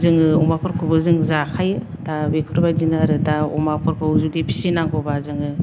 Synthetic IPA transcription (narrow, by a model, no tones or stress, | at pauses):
zɯŋɯɔmapʰɯɾkʰubɯzɯŋzakʰajɯ | d̥abekʰuɾbajdinaɾɯdaɔ̰mapʰɔɾkʰɯzudipʰi̥sinaŋɡɔbazɯŋɯ